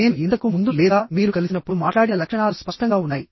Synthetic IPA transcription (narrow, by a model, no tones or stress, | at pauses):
ne̞ːnuint̪̬ɐkumund̪ulɛːd̪aːmiːɾukɐlisinɐpːuɽumaːʈlaːɽinɐlɐkʂɐɳaːluspɐʂʈɐŋɡaːunːaːji